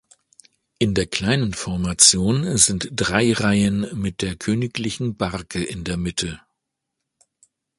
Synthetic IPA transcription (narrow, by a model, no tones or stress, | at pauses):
ʔɪndeːɐkl̥aɪnənfɔɐmat͡sjoːnzɪntd̥ʁaɪʁaɪənmɪt̚d̥eːɐkʰøːnɪklɪçn̩baʁkʰəʔɪndeːɐmɪtʰə